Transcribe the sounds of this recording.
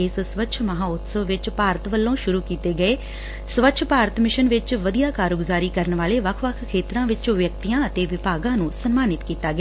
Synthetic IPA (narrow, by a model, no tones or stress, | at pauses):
ɪssʋətːʃʰməɦãːʊt̪səʋʋɪt͡ʃpaːɾət̪ʋəlːõːʃʊɾuːkiːt̪eːɡəeː | sʋətːʃʰpaːɾət̪mɪʃənʋɪt͡ʃʋəd̪ijaːkaːɾɡzaːɾiːkəɾənʋaːleːʋəkʰʋəkʰkʰːeːt̪ɾãːʋɪt͡ʃʋjək̚t̪ijãːət̪eːʋɪpaːɡãːnũːsənmaːnɪt̪kiːt̪aːɡː